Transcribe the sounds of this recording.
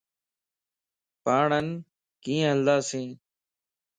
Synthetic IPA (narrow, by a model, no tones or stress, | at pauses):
paːɳən | kĩːɦəld̪aːsẽː